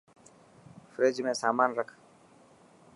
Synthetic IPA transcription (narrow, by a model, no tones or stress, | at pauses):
fɾeːd͡ʒmẽːsaːmaːnɾəkʰ